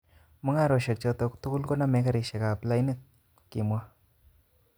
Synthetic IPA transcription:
mʊ˦ŋa˦˨ɾɔ˨ʃɛ˨k̚t͡ʃɔ˧tɔ˧ktu˦kʊ˦lko˦na˦mɛ˨˦ka˦ɾi˨ʃɛ˨ka˨pla˦jnɪ˦˨t̚ | ki˨mwa˦

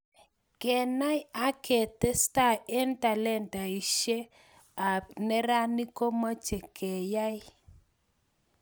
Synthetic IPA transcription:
kɛ˨na˦ja˦ke˨tɛ˦sta˦˨e˦nta˨lɛ˦˨nta˨i˨ʃe˦ | a˨nɛ˦ɾa˦ni˦ko˦ma˦t͡ʃe˨kʰɛ˨ja˦j

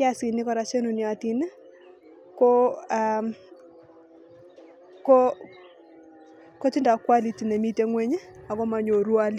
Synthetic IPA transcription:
ja˦si˨nɪ˦kɔ˨ɾa˨t͡ʃe˦nu˨nja˨ti˨n˦ | kɔ˦a | ko˦ | ko˦t͡ʃi˦nda˨kwa˦li˨ti˨ne˨mi˦te˦ŋwɛ˦ɲe˦a˨kɔ˦ma˨ɲo˨ɾwa˦li˦

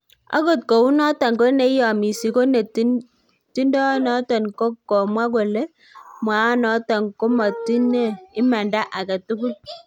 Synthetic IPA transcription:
a̰˦ɡo˨t̚ko˨wu˦nɔ˦tɔ˨nko˦ne˨˦jɔ˨mi˨si˨ko˦ne˨t | ti˦ndɔ˦nɔ˨˦tɔ˨nko˦kːɔ˨mwa˦ɡo˨le˦ | mwa˨˦nɔ˨˦tɔ˨nko˦mɔ˨ti˦ne˦˨ɪ˦ma˨nda˦ʔa˨ka˨tu˦ku˦t̚

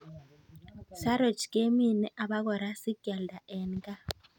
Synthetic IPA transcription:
sa˦ɾo˨t͡ʃke˦mi˦˨nɛ˦ʔa˨βa˦ɣɔ˨ɾa˦si˦ɡ̥ɛ˨lda˨ʔɛ˨nɡa˦

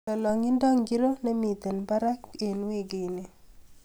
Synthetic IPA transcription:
ɔ˨lɔ˨ŋɪ˦ndɔ˦ŋɡi˦ɾo˦nɛ˦mi˨t̪e˨nba˦ɾa˦ke˨nwe˦ɡe˨ne˨

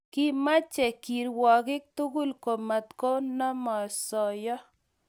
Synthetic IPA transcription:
ki˦ma˦t͡ʃɛ˨ki˨ɾwɔ˨kɪ˦k̚t̪u˦ɡu˦lko˨ma˨t̪ko˦nɔ˦mɔ˨sɔ˨jɔ˦

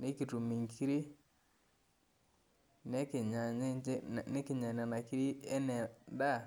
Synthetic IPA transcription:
ne˦ki˨tu˨mi˨ŋkʰi˦ɾi˦ | ne˦ke˨ɲa˨˦ne˦kɪ˨ɲa˨na˨na˨ki˦ɾi˦ɛ˦nɛ˨nda˦˨

